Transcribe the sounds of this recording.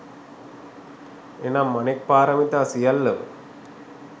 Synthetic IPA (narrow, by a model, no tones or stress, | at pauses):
enamːɐnek̚paːɾɐmit̪aːsijɐlːɐʋ̰